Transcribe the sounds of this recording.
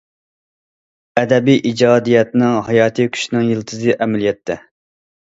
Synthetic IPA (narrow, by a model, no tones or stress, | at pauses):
ɛd̪ɛbijʔid͡ʒɑːd̪ijɛt̪nɪŋɦɑjɑːt̪ʰɨkʲʰy̥ʃnɪŋjilˠt̪ʰɨzɨʔɛmɛlijɛt̪ʰːɛ